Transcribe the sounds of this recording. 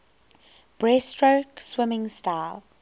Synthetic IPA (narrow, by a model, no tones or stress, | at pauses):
b̥ɹɛstɹoʊkswɪmɪ̃ŋstaɪlˠ